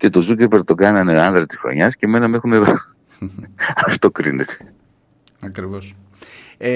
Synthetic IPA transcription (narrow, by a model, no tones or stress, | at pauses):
ce̞t̪o̞zuce̞ɾpeɾt̪o̞ɡɐnɐneɐnd̪ɾɐt̪i̥sxɾo̞̰ɲɐsce̞me̞nɐme̞xune̞ðo | ɐft̪o̞kɾḭnet̪ʰe̥ | ɐkɾivos